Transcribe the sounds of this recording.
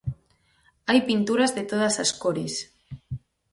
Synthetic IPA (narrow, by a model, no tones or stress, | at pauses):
ajpint̪uɾazðet̪oðasaskoɾis